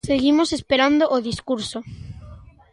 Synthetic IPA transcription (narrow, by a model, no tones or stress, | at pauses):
seɣimosespeɾand̪oʔoðiskuɾso